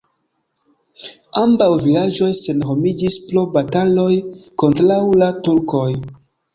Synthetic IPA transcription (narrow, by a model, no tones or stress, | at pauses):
ambawvilad͡ʒo̞jse̞nɦo̞mid͡ʒisplobatalo̞jko̞ntɾawlatuɾko̞j